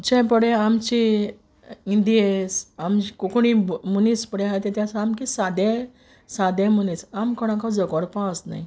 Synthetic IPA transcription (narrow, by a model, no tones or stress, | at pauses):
d͡ʑɛ̃pəɽẽamt͡ɕi | ind̪iesamt͡ɕikokuɽ̃imunispəɽɛ̃ɦajt̪et̪jãsaamkisad̪ɛ̃ | sad̪ɛ̃munisamkɔɽ̃ãkad͡zəkɔɽpãəsna̰j